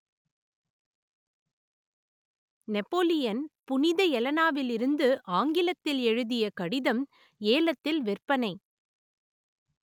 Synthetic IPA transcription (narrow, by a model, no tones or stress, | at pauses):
nɛpːoːlɪjɐnpʊnɪðɐɛlɐnaːʋɪlɪɾɯnd̪ɯʔaːŋɡɪlɐt̪ːɪlɛɻɯðɪjɐkɐɽɪðɐm | eːlɐt̪ːɪlʋɪrpɐnɐɪ